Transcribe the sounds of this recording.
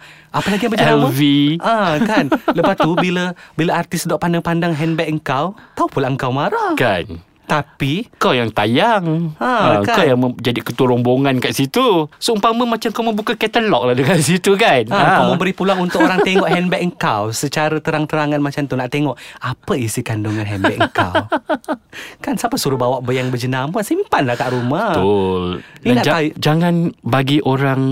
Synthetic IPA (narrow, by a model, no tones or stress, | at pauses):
ʔapəlaɡijãŋmbəd͡ʒaɛaəviʔakanləpat̪ubiləbiləart̪ɪsdɔʔpandaŋpandaŋɦɛnbɛʔ̚əŋkawt̪aupulaʔəŋkawmaɾakan | t̪appikawjaŋt̪ajaŋãakakawjaŋməd͡ʒadikət̪uɾɔŋboŋãnkaʔsit̪usoumpaməmat͡ʃamkawmə̃bukakɛt̪əlɔk̚lahdəkasit̪ukanãkaməmbəɾipulaŋunt̪ʊkoɾaŋt̪eŋɔʔɦɛnbɛʔ̚əŋ̩kawsət͡ʃaɾət̪əɾaŋt̪əɾaŋanmat͡ʃamt̪unaʔt̪eŋɔʔapəisikanduŋanɦɛnbɛʔ̚əŋka̰ | kansapəsuɾubawaʔbəjaŋbəd͡ʒənaməsimpanlahkaʔɾumatʊlianaʔd͡ʒaad͡ʒaŋanbaɡiʔoɾaŋ